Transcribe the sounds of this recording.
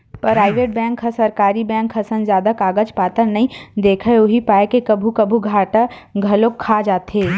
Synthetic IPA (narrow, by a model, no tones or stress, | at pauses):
pɾaːɪʋeːʈ̚bɛ̃ːŋkhɐsɐɾkaːɾibɛ̃ːŋkɦɐsənzjaːd̪akaːɡəd͡ʒpaːt̪əɾnɐĩd̪eːkʰəʊɦipaːekekɐbʱukɐbʱuɡʱaːʈa | ɡʱɐlokʰːaːd͡ʒaːt̪ɦeː